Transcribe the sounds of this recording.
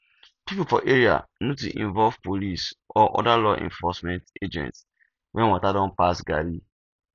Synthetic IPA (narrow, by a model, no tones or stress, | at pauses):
pipufɔʔeɹia̰notuʔḭ̃ɱvɔlvpolisɔʔɔ̰dalɔʔɛ̰̃nfɔsmɛ̃nted͡ʒɛ̰̃nt | wʔɛ̃nwɔtadɔ̃npasɡa̰ɾi